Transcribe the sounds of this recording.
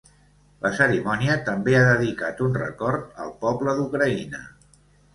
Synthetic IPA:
ləsəɾimɔniət̪əmbeaðəðikat̪unrə̰kɔɾt̪ə̰lˠpɔbləðukɾəinə

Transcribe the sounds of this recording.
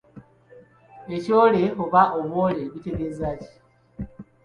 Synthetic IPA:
e̞coːleoβaʔoβo̞le̞βite̞ɡeːzaːci̥

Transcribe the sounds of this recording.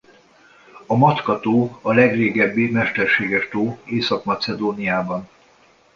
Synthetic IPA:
ɒmɒt̪kɒt̪oːɒlɛɡreːɡɛbːimɛʃt̪ɛrʃeːɡɛʃt̪oːeːsɒkmɒt̪sɛd̪oːnijaːbɒn

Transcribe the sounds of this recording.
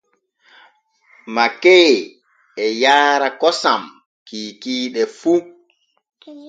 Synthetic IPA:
makɛː | ɛjaːɾakɔsam | kiːkiːɗɛfu

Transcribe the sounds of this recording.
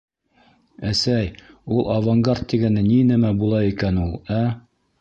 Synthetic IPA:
æsæjulˠɑvaŋɡart̪ːiɡænɘninɘmæbulˠɑikænulˠæ

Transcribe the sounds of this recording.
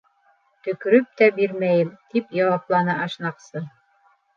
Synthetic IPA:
t̪ɵ̆kɵ̆ɾɵp̚t̪æbiɾmæjɘmt̪ipjɑwɑplˠɑnɤʔɑʃnɑqsɤ

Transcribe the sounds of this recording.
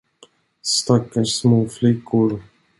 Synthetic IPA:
st̪akːasmoːflɪkʰːʊɾ

